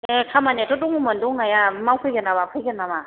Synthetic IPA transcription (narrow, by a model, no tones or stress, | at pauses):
ekʰamanatʰɔtuŋumənduŋajamawkʰɯjɡɯnabapʰɯjɡənama